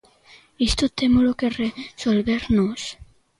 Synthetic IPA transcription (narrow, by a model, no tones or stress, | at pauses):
ist̪ot̪emolokeresolβeɾnos